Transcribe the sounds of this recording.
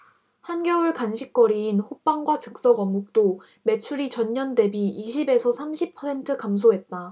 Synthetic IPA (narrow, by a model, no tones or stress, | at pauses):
hanɡjʌuɭkanɕʰik̚k͈ʌɾiːnɸop͈aŋɡwat͡ɕɯk̚s͈ʌɡʌmɡuk̚t͈o | me̞t͡ɕʰuɾit͡ɕʌɲɲʌnde̞biːɕʰibe̞sʰʌsʰamɕʰipʰʌsʰe̞ntʰɯkams̬ʰoɦe̞t̚t͈a